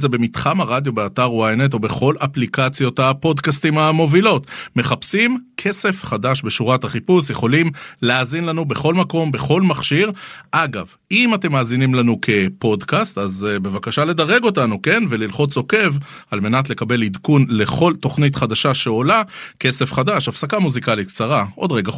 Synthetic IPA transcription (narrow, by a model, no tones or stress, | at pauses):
zebe̞mitχamaʁad̪jobeataʁuajnet̬obe̞χo̞lʔaplikat͡sjo̞tapo̞dkastimamo̞vilo̞tme̞χapsimkʰe̞se̞fχadaʃbe̞ʃuʁataχipusje̞χo̞limleaːzinlanube̞χo̞lmako̞mbe̞χo̞lmaχʃiʁʔaɡav | imate̞maːzinimlanukʰe̞po̞dkast̪azbe̞vakaʃale̞daʁe̞ɡo̞tanuke̞nve̞lilχo̞t͡so̞ke̞valme̞natle̞kabe̞lidkunle̞χo̞lto̞χnitχadaʃaʃeo̞lake̞se̞fχadaʃafsakamuzikalitkt͡saʁaʔo̞d̪ʁeɡa